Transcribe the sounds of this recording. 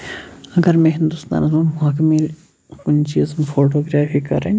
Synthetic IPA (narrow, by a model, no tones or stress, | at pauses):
ɐɡəɾmɛ̃ːɦɪ̃nd̪ʊst̪a̰ːnzɐɦaːkmil | kʊnt͡ʃiɐzmfʰoːʈ̬oːɡɾaːfiːkɐ̰ɾe